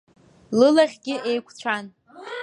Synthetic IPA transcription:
lɨlaχʲɡʲɪʔe̞jkʷʰʼt͡ɕʷʰan

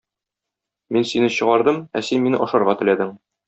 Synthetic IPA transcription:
minsinɘɕɤ̆ʁɑɾd̪ɤmæ̰sinminɘʔɒʃɤ̆ɾʁɑt̪ɘ̆læd̪ɘŋ

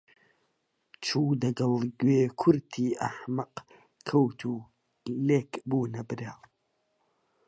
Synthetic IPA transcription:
t͡ʃʰuːd̪ɐɡɐlˠɡweːkʰʊɾt̪ʰiːʔɐħmɐq | kʰːɐwt̪ʰuː | leːkbuːnɐbɨɾaːw

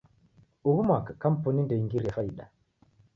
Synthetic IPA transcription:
uɣumakkːampɔnindɛŋɡiɾɛfaiɗa

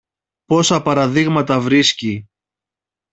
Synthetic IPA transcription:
po̞sɐpɐɾɐðiɣmɐt̪ɐvɾisci

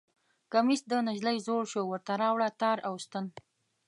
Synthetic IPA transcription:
kamist̪̚d̪ənaʒləjzoɽʃowəɾt̪aɾɑwɽat̪ɑɾawst̪ən

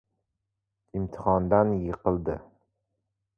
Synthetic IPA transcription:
ɪmt̪ʰɪ̥χɒnd̪anjɪqʰɨlˠd̪ɪ̰

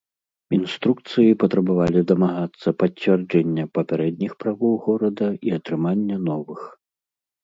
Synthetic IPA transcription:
inst̪ɾuk̚t̪sɨjipɐt̪ɾɐbavalʲid̪ɐmaɣat̪sːɐpɐt͡sʲːvʲɛrd͡ʒɛnʲːɐpɐpʲaɾɛd̪̚nʲixpɾavɔwɣɔɾɐd̪ɐʔiɐt̪ɾɨmanʲːɐnɔvɨx

